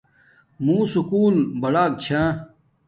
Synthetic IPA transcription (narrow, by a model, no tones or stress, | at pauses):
mũːsukuːlbɐɽaːk̚t͡ɕʰãː